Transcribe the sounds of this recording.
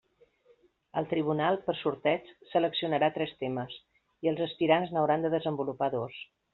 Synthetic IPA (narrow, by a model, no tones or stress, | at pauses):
əlˠt̪ɾiβ̞unalˠpəɾsuɾt̪ɛt͡ʃsələksiunəɾat̪ɾɛst̪eməs | iəlˠzəspiɾanznəwɾand̪əðəzəmbulupaðos